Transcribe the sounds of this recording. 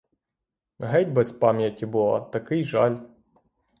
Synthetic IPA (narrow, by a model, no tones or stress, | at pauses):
ɦɛdʲbɛspamʲjɐtʲibɨlˠɐ̰t̪ɐkɪjʒalʲ